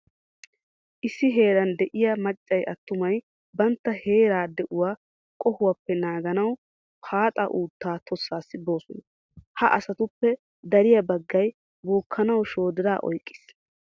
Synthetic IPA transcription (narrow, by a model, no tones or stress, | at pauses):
ʔɪsːɪɦe̞ːɾɐnd̪ɛʔɪjɐmɐt͡ʃʼːɐjʔɐt̪ːʊmɐj | bɐnt̪ːɐhe̞ːɾaːd̪ɛʔʊwaː | kʼɔhʊwapːɛnaːɡɐnɐw | pʰaːt̪ʼɐ̰ʔuːt̪ːaːt̪ʰɔsːaːsːɪbo̞ːsɔnɐ | hɐʔɐsɐt̪ʊpːɛ | d̪ɐɾɪjɐbɐɡːɐj | boːkʰːɐnɐwʃo̞ːd̪ɪɾaːʔɔ̰jkʼːɪ̥s